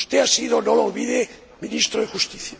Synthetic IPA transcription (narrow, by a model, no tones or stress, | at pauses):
ust̪e̞asiðo̞no̞lolβiðe | minist̪ɾoðexust̪iθja